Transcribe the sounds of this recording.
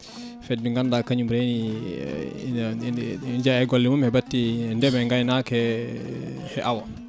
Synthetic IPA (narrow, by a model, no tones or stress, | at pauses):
fɛd̚biŋɡandakaɲumɾɛni | ind͡ʒahɛɡɔlːimumhɛbatːindɛmɛŋɡajnakɛ | hɛʔawa